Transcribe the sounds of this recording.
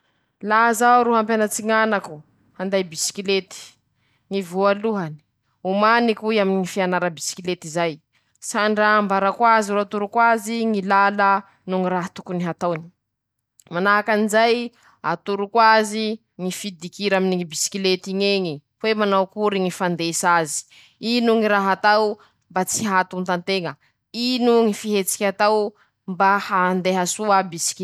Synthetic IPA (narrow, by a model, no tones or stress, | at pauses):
lazauɾuɦampjanat͡siŋanaku | hand̪ajbisi̥kilet̪i̥ | ŋivualuɦani̥ | umanikuiaminiŋifianaɾəbisi̥kilet̪izaj | saɳɖ͡ʐaːmbaɾakwaziɾuat̪uɾukwaziŋilalə | nuŋiɾaɦt̪u̥kuniɦat̪awni̥ | manaakanizaj | a̰t̪uɾukwazi | ŋifid̪ikiɾaminiŋibisi̥kilet̪iɲeɲi | wemanawkuɾiŋifand̪esazi̥ | inuŋiɾaɦat̪aw | mbat͡siɦat̪unt̪ant̪eŋə | inuŋifiɦet͡si̥kʲat̪aw | mbahand̪eɦasuəbisi̥k